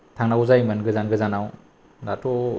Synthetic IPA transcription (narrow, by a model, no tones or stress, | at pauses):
tʰaŋnawzajmənɡɯzanɡɯzanaw | natʰɔ